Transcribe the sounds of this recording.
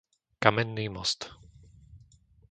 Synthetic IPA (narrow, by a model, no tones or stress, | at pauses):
kamɛnːimɔ̰st̪